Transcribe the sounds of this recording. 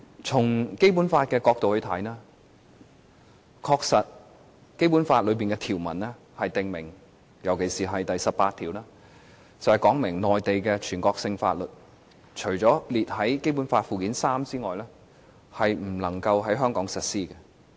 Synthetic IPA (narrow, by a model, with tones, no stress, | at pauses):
t͡sʰʊ˨˩ŋke˥jp̬uː˨˥nfaː˧t̚kɛː˧kɔː˧k̚t̪o˨whɵ˧ɥt̪ʰɐ˨˥jnaː˥ | kʰɔː˧k̚sɐ˨t̚ | ke˥jp̬u˨˥nfaː˧t̚lɵ˨˧ɥp̬iː˨nkɛː˧t̪ʰiː˨˩wmɐ̰˨˩nlɛː˥ | hɐ˨jt̪ɪ˨ŋmɪ̰˨˩ŋ | jɐ˨˩wkʰe˨˩jsiː˨ɦɐ˨jt̪ɐ˨jsɐ˨p̚paː˧t̪ʰiː˨˩wlaː˥ | t͡sɐ˨whɐ˨jkɔː˨˥ŋmɪ˨˩ŋnɔː˨jt̪e˨jkɛː˧t͡ʃʰyː˨˩nkɔː˧k̚sɪ˧ŋfa̰ː˧t̚lɵ˨t̚ | t͡ʃʰɵ˨˩ɥt͡sɔː˨˥liː˨t̚hɐ˨˥jke˥jp̬u˨˥nfaː˧t̚fuː˨kiː˨˥nsaː˥mt͡siː˥ŋɔː˨˩jlɛː˥ | hɐ˨jm̩˨˩lɐ˨˩ŋkɐ˧wɦɐ˨˥jɦœː˥ŋkɔː˨˥ŋsɐ˨t̚siː˥kɛ˧